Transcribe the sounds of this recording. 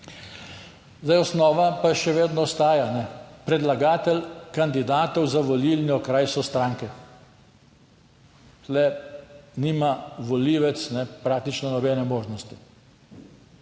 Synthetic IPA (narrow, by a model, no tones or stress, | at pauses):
zd̪ajɔsnɔːʋapaʃɛʋeːd̪nɔɔst̪aːjanɛpɾɛd̪laɡaːt̪ɛlkand̪id̪aːt̪ɔwzaʋɔlilnʲjɔkɾajsɔst̪ɾaːŋkɛ | zlɛ | niːmaʋɔliːʋɛt̪snɛpɾaːk̚t̪it͡ʃnɔnɔbɛːnɛmoːʒnɔst̪i